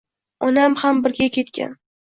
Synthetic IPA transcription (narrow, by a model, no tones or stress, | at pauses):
ɒnamhambɪɾɡʲakʲʰe̞t̪kʲʰa̰n